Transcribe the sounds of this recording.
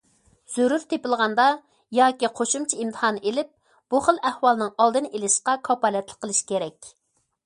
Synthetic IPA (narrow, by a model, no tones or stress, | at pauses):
z̥øɾuɾt̪ʰepɪlˠʁɑnd̪ɑ | jɑːkʲiqʰoʃumt͡ʃʰiimt̪ʰə̥hɑnɨʔelɪp̚ | b̥uχəlˠæhwɑlˠɨnɨŋɑlˠd̪ɨnelɪʃqɑkʰɑpɑːlɛt̪lˠəqʰːəlˠɨʃkʲʰeɾɛkʲ